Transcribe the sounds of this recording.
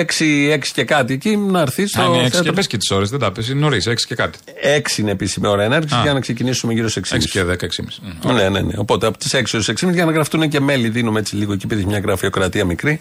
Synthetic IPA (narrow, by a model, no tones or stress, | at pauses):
eksie̞ksi̥ce̞kɐt̪iecinɐɾθist̪oθeɐtpescit̪i̥so̞ɾezðed̪ɐpes̬inoɾiseksi̥cekɐt̪i̥ | e̞ksiineːpisimeo̞ɾɐeneɾʝisizʝɐnɐkse̞cinisumeʝiɾose̞ksimsseðekɐeksḭmisne̞ne̞̰ne̞̰o̞po̞t̪eɐpot̪i̥se̞ksioɾse̞ksimizʝɐnɐɣɾɐft̪unece̞me̞liðinumeet͡siliɣoecipiðeçimɲɐɣɾɐfio̞kɾɐt̪iɐmikɾi